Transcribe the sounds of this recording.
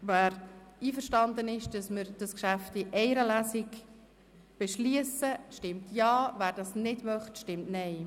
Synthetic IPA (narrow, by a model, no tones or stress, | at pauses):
væːɾiːfəɾʃtɑndənɪʃd̥ɑsməɾd̥ɑskʃæftiʔɛɪɾəlæsɪɡ | b̥ɛʃliəsəʃtɪmtjɑːvæːɾdɑsnɪdmœχtʃtɪmtnɛɪ